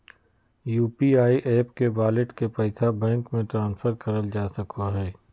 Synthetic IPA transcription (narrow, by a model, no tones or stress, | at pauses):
juːpiaːiʔeːpkebaːlɪʈkepɛɪsabɛ̃ːŋkmẽʈɾãːnsfʰəɾkɐɾəld͡ʒaːsɐkoɦɛː